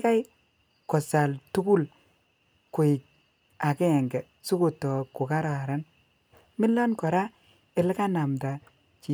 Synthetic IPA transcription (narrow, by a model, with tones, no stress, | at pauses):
ka˦j | kɔ˨sa˨ltu˦ku˦l | kʊ˨ɪ˨k̚ | a˨kɛ˦ɛ˨ŋɡɛ˨ | su˦ko˨tɔ˨ko˨ka˦ɾa˨a˨ɾa˦n | mɪ˦lːɔ˦nkɔ˨ɾa˦ | e˨lka˦na˨mta˨ | t͡ʃi˨